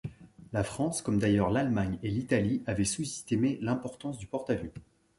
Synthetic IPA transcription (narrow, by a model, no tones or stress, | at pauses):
lafχɑ̃skɔmd̪ajœʁlalmaɲelit̪aliʔavɛsusi̥st̪imelɛ̃pɔʁt̪ɑ̃sd̪ypɔʁt̪avø